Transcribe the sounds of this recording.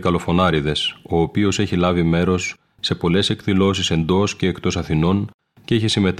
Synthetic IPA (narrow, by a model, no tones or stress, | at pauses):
kɐlo̞fo̞nɐɾiðe̞so̞ːpio̞se̞çilɐvime̞ɾo̞sː | e̞po̞le̞se̞kðilo̞sise̞nd̪o̞sceːkt̪o̞sɐθino̞n | ceeçisime̞t̪